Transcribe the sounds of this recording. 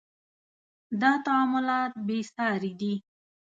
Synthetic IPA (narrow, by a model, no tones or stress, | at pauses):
d̪ɑt̪aːmʊlɑt̪̚besɑɾid̪i